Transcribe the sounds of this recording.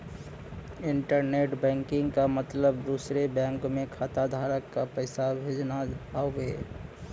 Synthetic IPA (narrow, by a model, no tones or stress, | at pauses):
ɪɳʈəɾneːʈbɛ̃ːŋkɪ̃ŋɡkamət̪ləbd̪uːsɾebɛ̃ːŋkmẽkʰaːt̪ad̪ʱaːɾəkːapəɪsabʱeːd͡ʒnaaoeː